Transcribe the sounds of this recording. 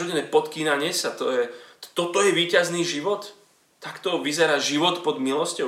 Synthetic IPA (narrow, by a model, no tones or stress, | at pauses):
ɔɟɛnɛːpɔt̪kiːnaɲɪɛsat̪ɔjɛt̪ɔt̪ɔjɛʋiːcazniːʒiʋɔt̪ː | akt̪ɔʋizɛɾaːʒiʋɔt̪pɔd̪milɔscɔ